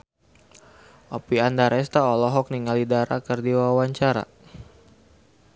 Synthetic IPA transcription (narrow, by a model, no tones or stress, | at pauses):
ʔɔpiandaɾɛst̪aɔlɔɦɔk̚niŋalidaɾa̰kərdiwawaɲt͡ʃaɾa̰